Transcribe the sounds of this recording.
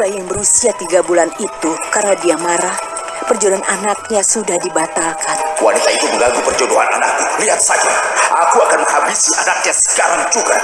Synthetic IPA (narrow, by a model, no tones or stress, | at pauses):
ajaŋbəɾusiat̪iɡabulanit̪ukarnadiamaɾah | pərd͡ʒodoɦanʔanak̚ɲasudahdibat̪alkanwa̰nit̪ait̪uməŋɡaɡupərd͡ʒodoɦana̰nak̚ɲuliɦat̪̚sad͡ʒaʔakuakanməŋɦabisiʔanak̚ɲasə̥kaɾaŋd͡ʒuɡa